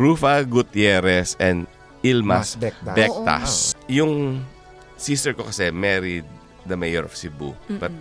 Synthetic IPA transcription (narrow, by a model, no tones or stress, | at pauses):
ɹuːfɐɡut̪jɛɾɛsɛ̃nd̪ | ilmasbbɛk̚t̪a̰sjʊŋ | sist̪ɛɹkokɐsɛmɛɾid̪̚ː | ɐmejɛɹɔfsibṵbɐt̪̚